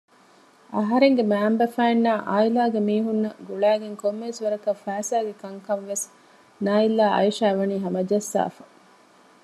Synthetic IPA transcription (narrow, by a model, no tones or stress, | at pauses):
ɐɦɐɾeŋɡemæːmbɐfæːnːaːʔaːilaːɡemiːɦunːɐɡuɭæːɡeŋkomːeʋesʋɐɾɐkɐfæːsaːɡekɐŋkɐmʋes | naːilːaːɐ̰iʃæːʋɐniːɦɐmɐd͡ʒɐsːa̰ːfɐ̥